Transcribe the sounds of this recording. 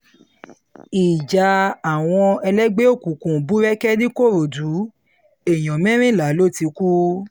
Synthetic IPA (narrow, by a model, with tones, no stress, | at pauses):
i˨d͡ʒa˨˦a˨w̃ɔ̃˧ɛ˧lɛ˦ɡ͡be˦o˦˨ku˨˦˨kũ˨bu˨˦ɾɛ˦kɛ˦di˦ko˦˨ɾo˨du˨˦ | e˨j̃ɔ̃˨mɛ̃˦ɾ̃ĩ˦˨la˨˦lo˦˨ti˧ku˦